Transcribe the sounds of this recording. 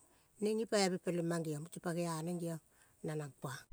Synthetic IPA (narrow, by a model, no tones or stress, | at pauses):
neŋipaebepelimaŋɡiomut͡ʃipaɡeaneŋɡio | nanapa